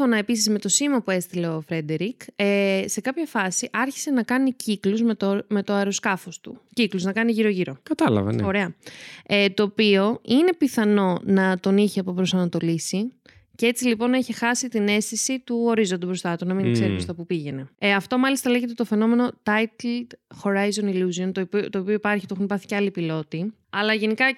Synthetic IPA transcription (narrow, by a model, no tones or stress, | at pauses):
fo̞nɐe̞pis̬izme̞t̪o̞simɐpue̞st̪ile̞ofɾe̞d̪e̞ɾikese̞kɐpçɐfɐsiʔɐɾçi̥se̞nɐkɐnicikluzmetome̞t̪oɐɾo̞skɐfo̞st̪ucikluznɐkɐniʝiɾo̞ʝiɾo̞kɐt̪ɐlɐ̰vɐ̰no̞ɾe̞ɐet̪o̞ːpio̞ine̞piθɐno̞nɐt̪o̞niçiɐpopɾo̞sɐnɐt̪o̞lisi | cee̞t͡silipo̞neçexɐsit̪ine̞st̪isit̪uo̞ɾizond̪obɾo̞st̪ɐt̪unɐmiŋkseɾipɾost̪ɐpupiʝe̞ne̞ɐft̪o̞mɐlist̪ɐleʝet̪e̞t̪o̞fe̞no̞me̞no̞t̪ɐjt̪ld̪̥xo̞ɾɐjzo̞niluzio̞nt̪ot̪oːpioipɐɾçit̪o̞xunipɐɾθi̥ceɐlipilo̞t̪i | ɐlɐʝe̞nikɐ